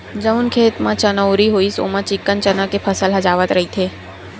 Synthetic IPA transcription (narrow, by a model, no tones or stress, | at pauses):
d͡ʒəʊnkʰeːt̪mãt͡ʃɐnəʊɾiɦoːiso̰ːmãt͡ʃɪkːənt͡ʃənãkepʰəsəlɦɐd͡ʒaːʋət̪ɾɐɦit̪ʰeː